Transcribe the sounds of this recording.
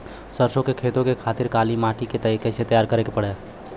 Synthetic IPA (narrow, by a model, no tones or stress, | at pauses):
səɾsõkekʰet̪okekʰat̪iɾkalimaʈiket̪əikeset̪əjaɾkəɾekepəɽɛ